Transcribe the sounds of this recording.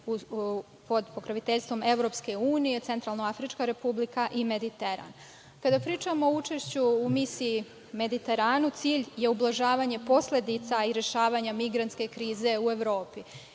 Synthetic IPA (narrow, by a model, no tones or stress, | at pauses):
po̞d̪po̞kɾaʋit̪eʎʲst̪ʋo̞me̞ʋɾo̞pske̞uːnije̞t̪se̞nt̪ɾalˠnoafɾit͡ʃkaɾe̞publikaʔime̞d̪it̪e̞ɾa̰n | kad̪apɾiːt͡ʃamo̞out͡ʃe̞ʃt͡ɕuumisiː | me̞d̪it̪e̞ɾaːnut̪siːʎje̞ublˠaʒaːʋaɲe̞po̞slʲe̞d̪it̪saiɾjeʃaːʋaɲamiɡɾant̪ske̞kɾiːze̞ue̞ʋɾo̞ːpi